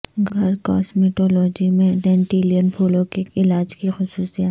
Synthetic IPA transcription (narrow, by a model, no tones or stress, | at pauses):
ɡʱɡʱɐɾkɔ̰ːsmiʈɔːlɔːd͡ʒimẽɖɛ̃ːɳʈiːlijənpʰuːlõkeːkɪlaːd͡ʒkixʊsuːsijat̪